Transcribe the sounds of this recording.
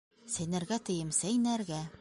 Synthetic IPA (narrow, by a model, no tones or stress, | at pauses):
sæ̆jnæ̆ɾɡæt̪ɤ̆jɤmsæjnæɾɡæ